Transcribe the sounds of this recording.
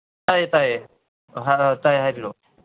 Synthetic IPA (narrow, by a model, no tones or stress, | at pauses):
ajt̪aj | ɦatajɦajbilɔ